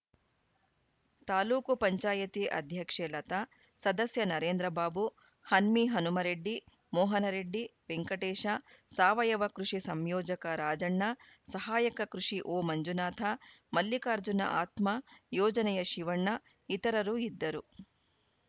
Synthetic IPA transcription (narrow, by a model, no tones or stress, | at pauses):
t̪aːluːkupɐɲt͡ʃaːjɐt̪iʔɐ̰d̪ʱjɐkʂeːlɐt̪ɐ | sɐd̪ɐsjɐnɐɾeːnd̪ɾɐbaːbu | hɐnmiɦɐnumɐɾeɖːi | mɔːɦɐnɐɾeɖːipeŋkɐʈeːʃɐsaːʋɐjɐʋɐkɾuʂisɐmjɔːd͡ʒɐkɐɾaːd͡ʒɐɳːɐ | sɐɦaːjɐkɐkɾuʂiʔoːmɐɲd͡ʒunaːt̪ʰɐmɐljikaːɾd͡ʒunɐ̰ʔaːt̪mɐjɔːd͡ʒɐnɛjɐʃiʋɐɳːɐ | it̪ɐɾɐɾuid̪ːɐɾu